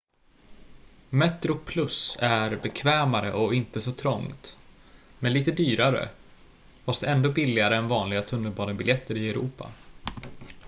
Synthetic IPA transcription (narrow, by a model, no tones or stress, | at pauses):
mɛt̪ɾʊpʰlɵsæɾbɛkʰvɛːmaɾə̰ʔɔɪnt̪əsɔt̪ʰɾɔŋt̪ | mɛnliːt̪əd̪yːɾaɾə̰ | vɑʂd̪ɛɛnd̪oːbɪlːɪɡaɾəɛnvɑːnlɪɡat̪ʰɵnːəlbɑːɾəbɪljɛt̪ʰːəɾɪɛɾṵːpa̰